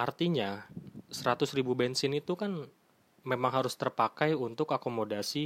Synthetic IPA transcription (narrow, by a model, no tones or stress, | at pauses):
ʔart̪iɲasəɾat̪ʊsɾibubɛnsɪnit̪ukan | memaŋɦaɾʊst̪ərpakajunt̪ʊkakomodasi